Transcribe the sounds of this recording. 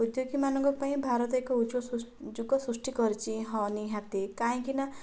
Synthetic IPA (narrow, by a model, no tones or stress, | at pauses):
ud̪joɡimanɔ̃ŋkɔpaĩbʱaɾɔt̪ekɔuod͡ʒuɡɔsɾusʈikɔɾt͡ʃiɦɔniɦat̪ekaĩkina